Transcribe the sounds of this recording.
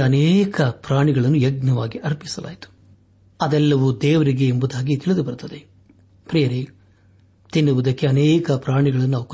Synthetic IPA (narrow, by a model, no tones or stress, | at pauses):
ɐnɛːkɐpɾaːɳiɡɐɭɐnːujɐɡnɐʋaːɡiʔɐɾpi̥sɐlʔa̰ːjit̪u̥ | ɐd̪ɛlːɐʋud̪ɛːʋɐɾiɡe̞ːmbud̪aːɡit̪iɭid̪ubɐɾt̪ɐd̪e | pɾijɐɾi | t̪inːuʋud̪ɐkːe̞ɐnɛːkɐpɾaːɳiɡɐɭɐnːunaːʋuk